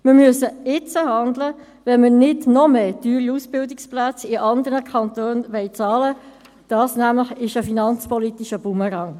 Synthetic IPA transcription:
mɪɾmyəsəɪt͡səhɑnd̪lə | ʋɛnmənɪdnɔmeːtyːɾiusb̥ɪldɪksplæt͡sɪʔɑnd̪əɾnəkʰɑnt̪oːnʋɛɪt͡sɑːlə | d̥ɑːsnæmləχɪʃəfinɑnt͡spɔlit̪iʃəb̥uməɾɑŋ

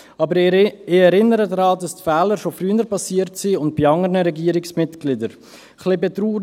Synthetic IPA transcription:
ɑbəɾɪɛɾɪnəɾədɾɑːdɑstfɛːləɾʃofryənəɾpɑsiːəɾtsiʊnt̚bɪɑŋəɾnəɾɛɡiːəɾɪksmɪtɡ̥lɪdəɾ | χlɪbetɾuː

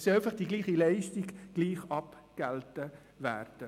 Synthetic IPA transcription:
sɛɪfɐχd̥iɡliːχilɛɪʃtiɡɡ̥liːχɑpɡ̥ɛltə | væ̰ːrd̥ə

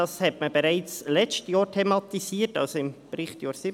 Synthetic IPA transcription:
ɑshɛtməb̥ɛɾaɪt͡slɛt͡ʃtjɑːɾtʰɛmɑt̪isiːətɑ̰lsoɪmpɾɪχtjɑːɾsɪ

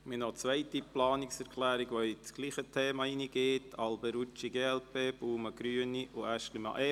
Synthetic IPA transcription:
minɔt͡sʋœɪtiplɑːniksɛɾkʰlæːɾiɡʋɔit͡sɡ̥liːχətʰeːmɑiniɡ̥eːtɑlbəɾut͡ʃiɡeːɛlpeːb̥uːməɡ̥ɾyəniʔuæʃlimɑ̰ʔɛ

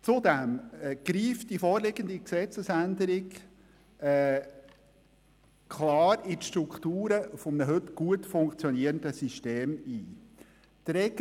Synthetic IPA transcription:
t͡sʊdɛmɡ̥ɾiːftd̥ifɔːɾlɪɡənd̪iksɛt͡səsænd̪əɾɪɡː | kʰχlɑːɾɪtʃt̪ɾukʰtuːɾəfɔmənəɦɵtɡ̥uətfʊŋkt͡sjɔniəɾəndəsiʃteːmiː | d̥ɾɛk

